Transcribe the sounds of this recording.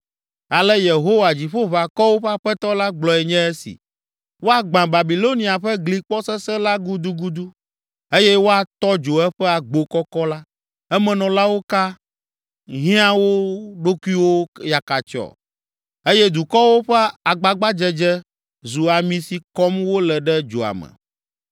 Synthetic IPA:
a˨lɛ˦je˨ɦo˦wa˨d͡ʑi˨ɸo˦va˨kɔ˦wo˦ɸɛ˦a˨ɸɛ˦t̪ɔ˦la˦ɡ͡blɔ˨ɛ˨ɲɛ̃˦ɛ˦sḭ˨ | wo˦a˨ɡ͡bã˨ba˨bi˨lo˦nĩ˨a˨ɸɛ˦ɡli˨k͡pɔ˦sɛ˦sɛ˦la˦ɡu˦d̪u˦ɡu˦d̪u˦ | e˦jɛ˦wo˦a˨t̪ɔ˦d͡ʒo˨ɛ˦ɸɛ˦a˨ɡ͡bo˨kɔ˦kɔ˦la˦ | ɛ˦mɛ̃˨nɔ̃˨la˦wo˦ka˦ | ɦĩ˦a˦wo˦ɖo˦ku˦i˦wo˦ja˨ka˨t͡ʃɔ̰˨ | e˦jɛ˦d̪u˨kɔ˦wo˦ɸɛ˦a˨ɡ͡ba˨ɡ͡ba˦d͡ʒɛ˦d͡ʒɛ˦ | zu˨a˨mĩ˨si˨kɔ˦mwo˦lɛ˨ɖɛ˦d͡ʒo̰˨a̰˨mɛ̰̃˨

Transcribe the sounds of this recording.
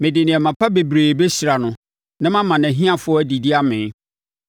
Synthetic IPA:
mɪ̃˨dɪ˨nɪ̃˨ɛ˨mã˨pʰa˦be˨bɾeː˨be˦si˨ɾa˨nʊ̃˨ | nã˦mã˦mã˨næ̃˨ɦĩ˦ã˨fʊ˦ɔ˦æ˦di˨di˦a˦mɪ̃˨n

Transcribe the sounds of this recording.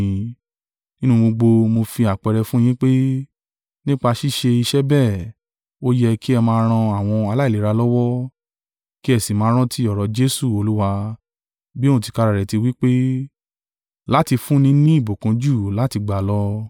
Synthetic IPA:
ĩ˦nũ˧ɡ͡bo˧ɡ͡bo˧mo˧fi˧a˨k͡pɛ˧ɾɛ˧fũ˦j̃ĩ˦k͡pe˦ | nĩ˦k͡pa˧ʃi˦ʃe˧i˧ʃɛ˦bɛ˦˨ | o˦jɛ˧ki˦ɛ˧mãː˧˦ɾ̃ã˧a˦˨w̃ɔ̃˧a˧la˦i˦˨li˨˦ɾa˧lɔ˦wɔ˦ | ki˦ɛ˦˨si˨mãː˨˦ɾ̃ã˦tʰi˦ɔ˨ɾɔ˨d͡ʒe˦su˦˨o˧lu˦wa˧ | bi˦õ˦ũ˨ti˧ka˧ɾa˨ɾɛ˨ti˧wi˦k͡pe˦ | la˦ti˧fũ˦nĩ˦nĩ˦i˦˨bo˨kũ˨˦d͡ʒu˦˨la˨˦ti˧ɡ͡ba˨lɔ˦

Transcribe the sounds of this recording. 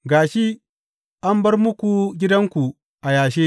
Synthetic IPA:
ɡaː˨ʃi˦ | ʔa˦mbɐ˦rmʊ˦kʷu˨ɡʲɪ˦dɐ˦ŋkʷu˨ | ʔa˨jaː˨ʃeː˦

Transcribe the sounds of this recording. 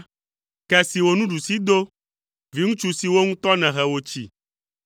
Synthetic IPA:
kɛ˦si˨wo˨nũ˦ɖu˨si˦d̪o˦ | vi˦ŋũ˦t͡ʃu˦si˨wo˦ŋũ˦t̪ɔ˦nɛ̃˨ɦɛ˨wo˨t͡ʃi˨

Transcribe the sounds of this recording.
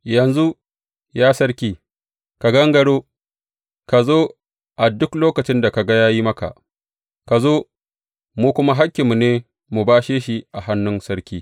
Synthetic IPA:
jɐ˨nzu˦ | jaː˦sɐ˦ɾkʲiː˦ | ka˨ɡɐ˦ŋɡɐ˨ɽoː˦ | ka˨zoː˦ | ʔa˨dʊ˦kloː˦kɐ˨t͡ʃɪ˦nda˨ka˨ɡa˦jaː˦ji˦mɐ˦ka̰˨ʔ | ka˨zoː˦ | muː˦kʷʊ˦ma˦ɦa˦kʲːɪ˨mːu˨neː˦ | mu˨baː˦ʃeː˦ʃi˦ʔa˨ɦa˦nːʊ˦nsɐ˦ɾkʲiː˦

